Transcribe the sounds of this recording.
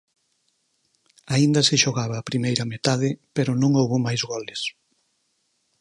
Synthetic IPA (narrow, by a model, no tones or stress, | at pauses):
aind̪ɐsɪʃoɣaβ̞ɐːpɾimejɾɐmet̪aðɪpeɾonõŋowβomajzɣɔles